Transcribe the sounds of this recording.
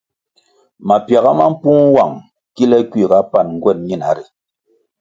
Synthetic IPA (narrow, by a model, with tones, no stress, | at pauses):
ma˨pja˨ɣa˦ma˦m̩˦pu˦ŋ˦wa˨ŋ | ki˦lɛ˦kwi˦˨ka˦pa˦˨nŋ̩˦ɡwɛ˦˨t̚ɲi˦˨na˨˦ɾi˨